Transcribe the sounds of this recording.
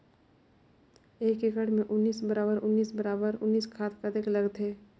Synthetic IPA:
eːkekəɽmẽʔʊnːiːsbəɾaːbəɾʊnːiːsbɐɾaːbəɾʊnːiːskʰaːt̪kad̪ekləɡt̪eː

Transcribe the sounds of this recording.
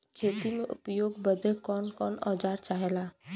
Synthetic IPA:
kʰeːt̪imẽʔʊ̰pjoːɡbəd̪ekɔːnkɔːnɔːd͡ʒaːɾt͡ʃaːɦelaː

